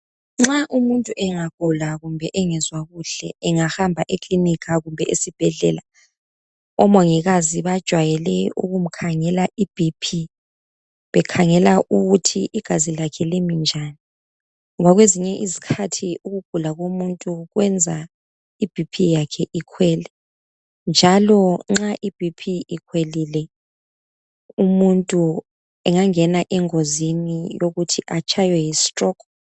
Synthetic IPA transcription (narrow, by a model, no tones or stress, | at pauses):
ŋ͡ǁaʔumuntʼuʔɛŋaɡ̥ʱulaɣumbʱɛʔɛŋɛzwaɣuɬɛːŋahambʱaʔekʼlinikʰaɣumbʱɛʔesib̥ʱɛɮɛ̰ːla | ɔmoŋiɣaziβad̥ʒ̥ʱwajɛlɛṵɣum̩kʰaŋɛlaʔib̥ʱipʰi | βɛkʰaŋɛlaʔuɣutʰiʔiɡ̥ʱazilakʰɛlemind͡ʒʱani | waɣweziɲɛʔizikʰatʰiuɣuɡ̥̚ʱulaɣomuntʼuɣwɛnd͡zʱa | ib̥ʱipʰijakʰɛʔikʰwɛːlɛ | nd͡ʒʱalɔŋ͡ǁaʔib̥ʱipʰiikʰwelilɛ | umuntʼu | ɛŋaŋɛnaʔɛŋozinijoɣutʰiʔat͡ʃʰajwɛjisi̥tʼrɔkʰɔ